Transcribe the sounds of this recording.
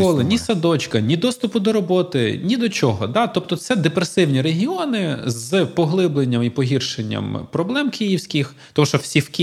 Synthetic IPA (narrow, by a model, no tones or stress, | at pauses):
ɔlˠɪnʲisɐd̪ɔt͡ʃkɐnʲid̪ɔst̪ʊpʊd̪ɔɾɔbɔt̪ɪnʲid̪ɔt͡ʃɔɦɔd̪ɑt̪ɔp̚t̪ɔsɛd̪epɾesɪwnʲiɾeɦʲiɔnɪzɨpɔɦlˠɪblˠenʲːɐmipɔɦʲirʃenʲːɐ̰mpɾɔblˠɛmkʰijiwsʲkʲix | t̪ɔmuʃɔwsʲiwkʲ